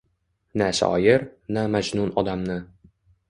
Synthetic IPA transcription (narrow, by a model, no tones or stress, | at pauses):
næsa̰ɒjɪɾnæmad͡ʒnunɒd̪amnɪ